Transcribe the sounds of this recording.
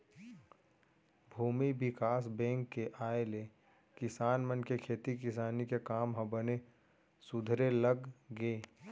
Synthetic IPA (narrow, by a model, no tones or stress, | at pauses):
bʱuːmibɪkaːsbɛ̃ːŋkːeʔaːele | kɪsaːnmənkekʰeːt̪ikɪsaːnikekaːmɦɐ̃bəne | sʊd̪ʱɾeləɡɡeː